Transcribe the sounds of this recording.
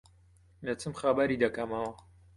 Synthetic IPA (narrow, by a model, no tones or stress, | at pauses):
met͡sɨmχabaɾid̪ɐkɐmɐwɐ